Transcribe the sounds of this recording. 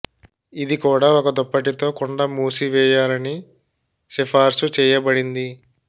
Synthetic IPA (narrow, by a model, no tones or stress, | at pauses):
id̪ikuːɽaːɔkɐd̪ɔpːɐʈit̪o̞ːkɔɳɖɐmuːsiʋɛːjaːɾɐni | ʃɛpʰaːɾsut͡ʃɛːjɐbɐɽind̪i